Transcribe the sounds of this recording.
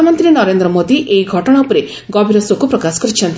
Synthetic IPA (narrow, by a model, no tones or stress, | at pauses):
amɔnt̪ɾinɔɾend̪ɾɔmod̪iʔeiɡʱɔʈɔɽ̃aupɔɾe | ɡɔbʱiɾɔsokupɾɔkasɔ̥kɔɾit͡ʃʰɔnt̪i